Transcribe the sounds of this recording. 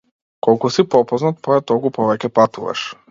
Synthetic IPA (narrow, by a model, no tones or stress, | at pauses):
kɔlˠkusipɔpɔznat̪̚pɔɛt̪ɔlˠkupɔvɛcʲɛpat̪uva̰ʃ